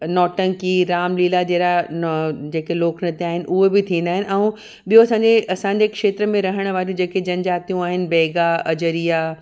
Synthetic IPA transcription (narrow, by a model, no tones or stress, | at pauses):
nɔːʈə̃ŋkiɾaːmliːlad͡ʑeːɾa | d͡ʑeːkeloːkʰnɐt̪eaːɦɪnɪ̆ʔʊɦebɪt̪ʰĩːnd̪aːɦɪnɪ̆ʔɐ̃ũ | ɓijoɐsãːɲd͡ʑeʔɐsãːɲd͡ʑekʃeːt̪ɾəmẽɾɐɦəɽ̃̆ʋaːɾijũd͡ʑeːked͡ʑɐnd͡ʑaːt̪ijũaːɦɪnɪ̆bɛːɡaɐd͡ʑəɾija